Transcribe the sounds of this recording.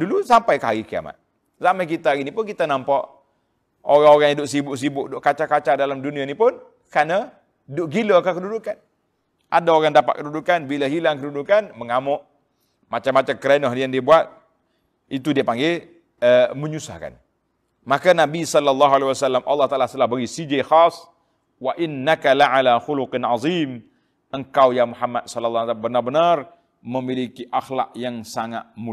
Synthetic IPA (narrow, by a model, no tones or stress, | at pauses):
dulusampajkaaɡikia̰ma̰t̪̚ | zamajk̬it̪aɡinipʊnkit̪anampaʔ | oɾaŋoɣaŋidʊʔsibʊʔs̬ibʊʔdʊʔkat͡ʃakat͡ʃadalamdunianipʊn | kana | dʊʔɡiləkakədudukan | ʔa̰daoɣaŋdapa̰ʔ̪̚kədudukanbilaɦilaŋkədudukanməŋamʊʔ | mat͡ʃamːat͡ʃakəɾenɔɦnijaŋdiabuat̪̚ | it̪udiapaŋɡe | əməɲusa̰hka̰n | makanabisɔlːɔlːɑɦualewasalːamʔa̰lːɑht̪aʔalast̪əlahbəɡisid͡ʒaxas | waʔɪnːakaliʕalaxʊluqɪnʕɑziːm | ʔəŋkawjamuħamːat̪̚sɔlɔlˤːɑabənarbənar | məmilikiʔaxla̰k̚jaŋsaŋa̰t̪̚mu